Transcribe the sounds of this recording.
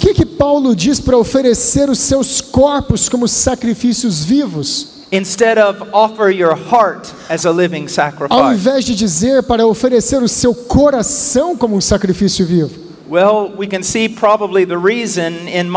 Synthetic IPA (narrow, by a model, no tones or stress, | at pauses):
ʊkɪkɪpawlʊd͡ʒispaɾɐofeɾeseɾʊsewskɔɾpʊskõmʊsakɾifisiʊzvivʊs | ɨ̃nstɛɾʌvɔfə˞jə˞hɑɹt | ɨzəlɪvɪ̃ŋsækɹɨfawẽvɛzd͡ʒɪd͡ʒizeɾpaɾɐofeɾeseɾʊsewkʰoɾasɐ̃w̃kõmʊũsakɾifisjʊvivʊ | wɛlˠwikɨ̃nsipʰɹ̥ɑbəbliðɨɹizɨ̃nɪ̃nm